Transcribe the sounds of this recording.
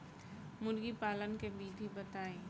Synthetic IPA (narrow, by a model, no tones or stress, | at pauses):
mʊɾɡipaːlənkebiːd̪ʱibɐt̪aːeː